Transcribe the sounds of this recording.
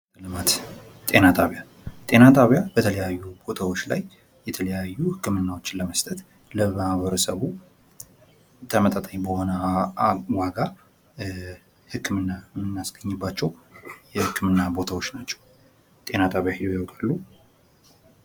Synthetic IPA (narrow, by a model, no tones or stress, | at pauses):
lɨmat̪ | t̪ʼe̞nat̪ʼaβja | t̪ʼe̞nat̪ʼaβjabət̪ʰələjajːubo̞t̪ʰawo̞t͡ʃːla̰j | jɛt̪ʰələjajːuhɨkːɨmɨnːawo̞t͡ʃːɪləməst̪ʼət̪ | ləmahβəɾəsəβu | t̪ʰəmət̪ʼət̪ʼəɲbəho̞nə | waɡa | hɨkʰːɨmɨnːamɨnːasɡ̥əɲːɨbːat͡ʃːɛwjɛhɨkːɨmɨnːabo̞t̪ʰawo̞t͡ʃːnat͡ʃːɛ̥w | t̪ʼe̞nat̪ʼaβjahid̪ojawkʼalːu